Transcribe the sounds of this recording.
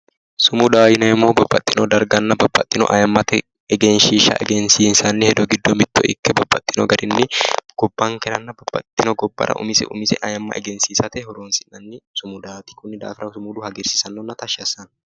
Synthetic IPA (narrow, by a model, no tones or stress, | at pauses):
sʊmʊd̪aːɪnɐmːoːbɐbːɐt̪ʼːɪnod̪ɐɾɡɐnːɐbɐbːɐ̰t̪ʼːɪnɔ̰ʔɐjɐmːɐt̪ɛ | ɛɡɛnʃiːʃɐ̰ʔɛ̰ɡɛnsiːnsɐnːɪhɛd̪ɔɡɪd̪ːomɪd̪ːo̰ɪ̰kːɛbɐbːɐt̪ʼːɪnɔɡɐɾɪnːɪɡ̥ɔbːaːŋkɛnɐnːɐbɐbːɐ̰t̪ʼːɪnɔɡɔbːɐ̰ɾɐ̰ʔʊ̰mɪsɛ̰ʔṵmɪsɛ̰ʔɐjɐmːɐ̰ʔɛ̰ɡɛnsiːsɐt̪ɛhɔɾoːnsɪnːɐnːɪsʊmʊd̪aːt̪ɪ̥kʊnːɪd̪a̰ːfɾɐsʊmuːd̪ʊhɐɡɛɾsɪ̥sɐnːonːɐt̪ɐʃɐsɐn